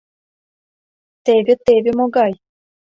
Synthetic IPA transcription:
t̪eβʲɘt̪eβʲɘ̆moɡɑj

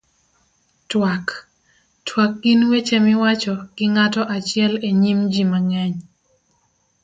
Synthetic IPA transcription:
twak | twak̚ːinwet͡ʃemɪwat͡ʃɔɡ̥ɪŋatɔʔat͡ʃɪɛleɲimd͡ʒimaŋɛɲ

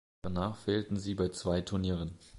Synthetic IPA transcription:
anaːχfeːltn̩ziːbaɪt͡sv̥aɪtʰʊɐniːʁən

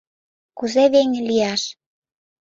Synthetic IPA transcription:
kuzeβeŋlijɑʃ

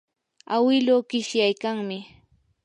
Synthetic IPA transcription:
awɪloːkɪʃjajkaŋmɪ

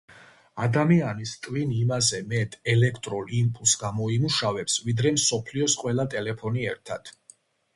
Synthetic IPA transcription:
ad̪amianist̪ʼvinimazɛmɛt̪ʼɛlɛkʰt̪ʼɾɔlimpʼulˠsɡamɔimuʃavɛpsvid̪ɾɛmsɔpʰliɔsqʼwɛlˠat̪ʼɛlɛpʰɔniɛɾt̪ʰad̪̥

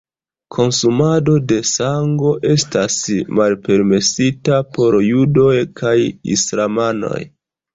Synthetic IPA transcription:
kʰo̞nsumado̞de̞saŋɡo̞ʔe̞stasmalpe̞ɾme̞sitapo̞ɾjudo̞jkʰajḭslamano̞̰j

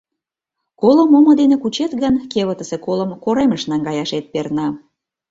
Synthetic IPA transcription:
koləmomŏd̪enekut͡ɕet̪ɣənkeβə̆t̪əsekolə̆mkoɾeməʃnɑŋɡɑjɑʃet̪̚pernɑ

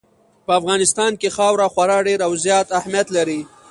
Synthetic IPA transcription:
pəafɣɑːnɪst̪ɑːnkexɑːwɾaxwaɾɑɖeɾawzjɑːt̪ahmijat̪laɾi

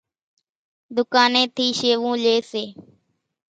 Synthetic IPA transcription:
d̪ʊkaːnẽːt̪ʰiːʃeːʋũːleːseː

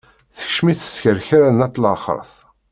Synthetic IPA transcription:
θə̥çʃmiθə̥sçəɾçaɾanæt̪ːˤləɾˤχə̰ɾˤθ

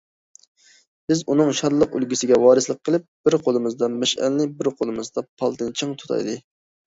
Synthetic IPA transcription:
b̥ɪzunɨŋʃɑɾlˠəqy̰lɡʲisɪɡʲɛwɑːɾɨslˠəqʰːəlˠɪp̚b̥ɪɾqʰolˠɨmɨzd̪ɑmɛʃɛ̰lːɪbɪɾqʰolˠɨmɨzd̪ɑpʰɑlˠt̪ɨnt͡ʃʰɨŋt̪ʰu̥t̪ʰɑ̰jd̪ɨ

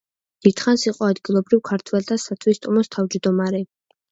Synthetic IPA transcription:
d̪̥id̪̥χansiqʼɔad̪ɡilˠɔbɾivkʰaɾt̪ʰwɛlt̪ʰasat̪ʰwist̪ʼɔmɔst̪ʰavd͡ʒd̪ɔmaɾɛ

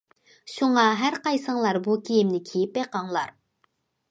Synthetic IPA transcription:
ʃuŋɑɦæɾqɑjsəŋlˠɑɾbukʲʰijimnɪkʲʰijipːeqɑŋlˠɑɾ

